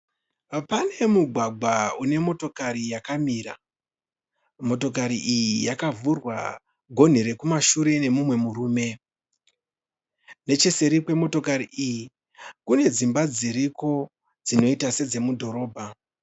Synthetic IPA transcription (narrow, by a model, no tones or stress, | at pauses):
pane̞muɡʱwaɡʱwaune̞mo̞to̞kaɾijakamiːɾa̰ | mo̞to̞k̬aɾiʔijijakavurwa̰ | ɡʱo̞n̤iɾe̞kumaʃuɾe̞ne̞mumwe̞muɾuːme̞ | ne̞t͡ʃese̞ɾikwe̞mo̞to̞kaɾiʔiji | kune̞d͡zimbad͡ziɾiko̞ | d͡zino̞itase̞d͡ze̞mudʱo̞ɾo̞ːbʱa